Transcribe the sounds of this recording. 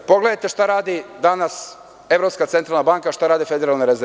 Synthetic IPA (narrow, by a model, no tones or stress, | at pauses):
po̞ɡled̪ajt̪e̞ʃt̪aɾaːd̪id̪anas | e̞ʋɾopskat̪sent̪ɾalnabaŋkaʃt̪aɾaːd̪ife̞d̪eɾalneɾeze